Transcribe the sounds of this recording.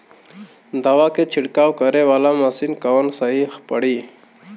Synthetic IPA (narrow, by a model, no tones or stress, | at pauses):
d̪awaket͡ʃʰiɽkawkəɾewalamasinkawənsaɦixpəɽi